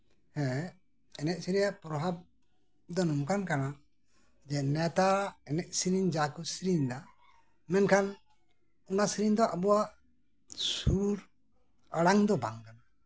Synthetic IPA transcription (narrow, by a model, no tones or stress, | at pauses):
hɛ̃ | ɛnɛʔ̚siɾijaʔpɾɔbab̚ | d̪ɔnumkankana | d͡ʒɛnɛt̪aɛnɛʔ̚siɾiɲd͡ʒakusiɾiɲd̪a | mɛnkʰan | unasɾiɲd̪ɔʔabɔwaʔ | suɾ | əɽaŋd̪ɔbaŋkana